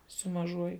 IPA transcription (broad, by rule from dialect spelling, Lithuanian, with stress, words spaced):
sʊ mɐˈʒuɔjʊ